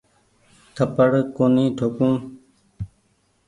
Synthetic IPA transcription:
t̪ʰəpəɽkoːnĩːʈ̪ʰoːkũː

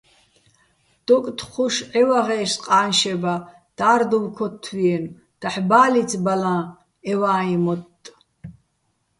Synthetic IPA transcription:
d̪̥ɔkʼt̪ʰχuʃʕɛwaʁɛːʃqʼaːnʃɛba | d̪̥aːɾd̪uwkʰɔt̪ʰːwiɛn | d̪̥aħbaːlit͡sʰʼbalãː | ɛwaːimɔt̪ʼː

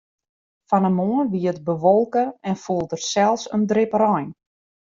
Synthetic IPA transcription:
fanəmoənʋiətbəʋolˠkəɛnfulˠdərsɛlˠsəndrɪpərɔjn

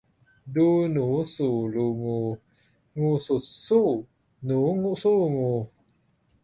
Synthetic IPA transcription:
dunusuluŋu | ŋususu | nuŋuʔsuŋu

